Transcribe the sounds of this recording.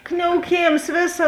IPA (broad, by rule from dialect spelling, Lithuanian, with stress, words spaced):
knʲɛʊˈkʲeːms ˈʋʲeːˌsɐ